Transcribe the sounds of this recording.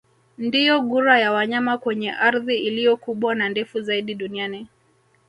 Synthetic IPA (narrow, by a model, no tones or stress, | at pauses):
ndijɔɠuɾajawaɲamakwɛɲɛʔaɾðiilijɔkuɓwanandɛfuzaiɗiɗuniani